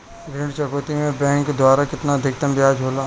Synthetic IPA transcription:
ɡɪ̃ɳʈt͡ʃɐkoːt̪imẽbɛ̃ːŋkd̪ʋaːɾakɪt̪naɐd̪ʱɪk̚t̪ɐmbjaːd͡ʒɦoːlaː

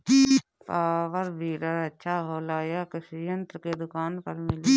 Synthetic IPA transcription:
paːɣəɾbʱiːɽəɾɐtːʃʰaɦoːlaːjakesjə̃nt̪ɾəked̪ʊkaːnpə̰ɾmɪl

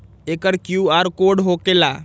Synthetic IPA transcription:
ekəɾkjuaːɾkoɖɦokela

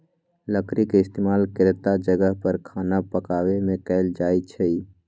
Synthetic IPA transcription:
ləkʰɾikeɪst̪eːmaːlkɪɾɪt̪ad͡ʒəɡəɦpəɾkʰaːnapəkaːwemẽkɛɪld͡ʒaːit͡ʃʰəi

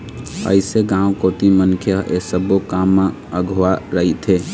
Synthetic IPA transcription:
ə̰ɪseɡãːwkoːt̪imənkʰjəʔesəbokaːmːã | əɡʱoʋaɾəɦit̪ʰeː

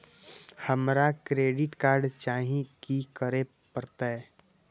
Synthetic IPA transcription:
həmɾakɾeːɖɪʈkaːɾɖt͡ʃaːɦĩkikəɾe | pəɾt̪aɛ

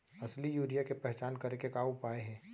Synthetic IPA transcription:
ɐslijuːɾijakepɛɦt͡ʃaːnkɐɾekekaːupaːeɦɛ̃ː

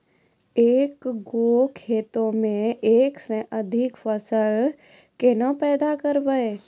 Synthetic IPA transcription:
eːkɡokʰeːt̪õmẽeːksẽʔəd̪ʱɪkpəsəl | kenapɛːd̪akəɾbəe

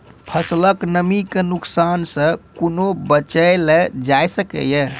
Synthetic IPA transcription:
pʰəsləknəmikenuksansə̃konobət͡ʃəjled͡ʒajsəkɛ̰jɛ

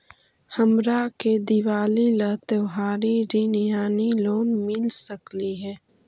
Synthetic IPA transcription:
həmɾaked̪ɪwaːliləɦt̪əwɦaːɾiɾinɪjaːniloːnmɪlsəkliɦɛː

